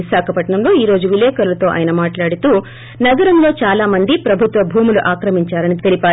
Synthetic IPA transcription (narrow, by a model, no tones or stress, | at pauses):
isaːkʰɐpɐʈɳɐmlo̞ːiːɾo̞ːd͡ʒuʋilɛːkɐɾulɐt̪o̞ːʔa̰ːjɐnɐmaːʈlaːɽut̪uː | nɐɡɐɾɐmlo̞ːt͡ʃaːlaːmɐnd̪ipɾɐbʱut̪ʋɐbʱuːmuluʔaːkɾɐmiɲt͡ʃaːɾɐnit̪elipaː